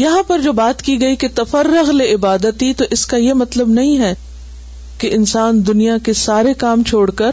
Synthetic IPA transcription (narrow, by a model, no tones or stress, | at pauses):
jɐɦãpɐɾd͡ʒoːbaːt̪kiɡɐiket̪ɐfɐɾːʊɣleɪbaːd̪ət̪it̪oʔɪskajemɐt̪ləbnɐɦĩɦɛː | keʔɪnsaːnd̪ʊnijakesaːɾekaːmt͡ʃʰoːɽkɐɾ